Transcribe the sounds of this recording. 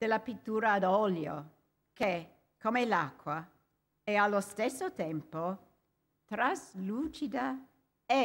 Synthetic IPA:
d̪̥elːapit̪ːuːɾaːd̪ɔljo̰ | ke | komelakːwa | ɛalːost̪esːot̪ɛmpo | t̪ɾazlut͡ʃid̪a | ɛ

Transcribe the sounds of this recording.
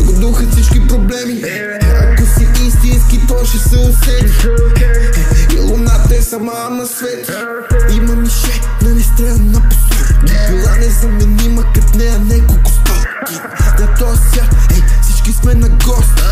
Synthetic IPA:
ɡod̪uxɐfsit͡ʃkipɾoblɛmi | ɐkosiist̪inskit̪ɔʃɛsɛʊsɛli | ḭlˠonat̪ɐɛsɐmanɐsvɛt̪ | imɐmiʃɛnɐnɛst̪ɾɛlnɐpo̥sɔɾkolˠanɛzɐmɛnimɐkɐt̪nɛɐnɛkolkʊ̥t̪aki | zɐt̪ɔsaɛfsit͡ʃkismɛnɐɡɔst̪i̥

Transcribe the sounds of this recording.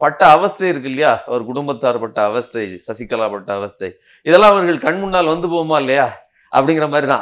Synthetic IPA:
pɐʈːɐːʋɐst̪ɐɪɪɾɯk̬ːɪlːɐjaːɐɾɯkʊɽʊmbɐt̪ːaːɾpɐʈːɐːʋɐst̪ɐɪsɐsɪkːɐlaːpɐʈːɐɐʋɐst̪ɐɪ | ɪðɛlːãːɐʋɐɾɣɐɭkɐɳmʊɳːaːlʋɐnd̪ɯpoːʋɐmaːɪlːɐjaː | ʔɐ̰pːɐɽɪŋɡɪɾɐmaːd̪ɾit̪ã̰ː

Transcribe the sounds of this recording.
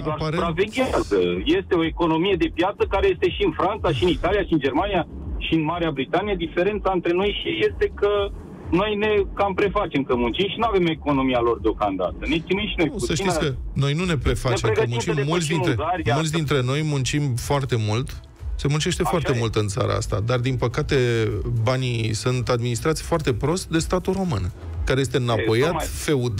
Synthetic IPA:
apaɾeɾaveɡʲiazəje̞st̪e̞o̞eko̞no̞mije̞d̪e̞pjat̪səkaɾeje̞st̪e̞ʃiɨnfɾant̪saʃiɨnit̪alijaʃiɨnd͡ʒe̞rmanija | ʃiɨnmaɾeabɾit̪anijed̪ife̞ɾe̞nt̪saɨnt̪ɾe̞no̞jʃje̞st̪e̞kə | no̞jne̞kampɾe̞fat͡ʃe̞mkəmunt͡ʃimʃinuave̞moeko̞no̞mialo̞rd̪eo̞kamd̪a̰t̪ənet͡ʃineʃinojusəʃt̪iskəno̞jnune̞pɾe̞fat͡ʃemkəmunt͡ʃimmult̪s̬d̪inɾeaɾmult̪s̬ʲd̪int̪ɾe̞no̞jmunt͡ʃimfoart̪e̞mult̪ | se̞munt͡ʃe̞ʃt̪e̞foartt̪e̞mult̪ɨnt̪sa̰ɾa̰a̰st̪a̰d̪ard̪inpəkat̪e̞banisunt̪ad̪minist̪ɾat̪sijfoart̪e̞pɾo̞st̪d̪e̞st̪at̪uɾo̞mɨn | kaɾe̞je̞s̬t̪e̞napo̞jat̪fe̞ud̪

